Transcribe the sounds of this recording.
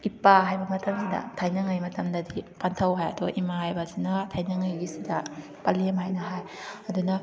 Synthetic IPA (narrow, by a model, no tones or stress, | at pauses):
ipaɦajbɐmɐtɐmsidɐ̰tʰajnɐŋɐjmɐtɐmdɐdipantʰɐwɦajɐduɡa̰ʔimahajbɐsinɐtʰajnɐŋɐjɡisidɐ | pɐlemhajnɐɦajɐdunɐ